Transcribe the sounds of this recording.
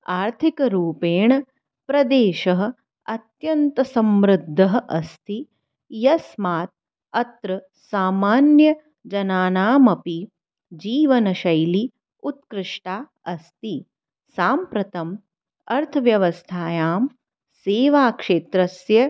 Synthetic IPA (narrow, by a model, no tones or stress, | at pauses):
aːɾt̪ʰikɐɾuːpeːɳɐ | pɾɐd̪eːʃɐɦɐ̆ | ɐt̪jɐnt̪ɐsɐmɾɨd̪ʱːɐɦɐ̆ʔɐst̪ʰi | jɐsmaːt̪̚ | ɐt̪ɾɐ | saːmaːnjɐ | d͡ʒɐnaːnaːmɐpi | d͡ʒiːʋɐnɐʃɐjli | ut̪kɾɪʂʈaː | ɐst̪i | saːmpɾɐt̪ɐm | ɐɾt̪ʰɐʋjɐʋɐst̪ʰaːjaːm | seːʋaːkʂeːt̪ɾɐsjɐ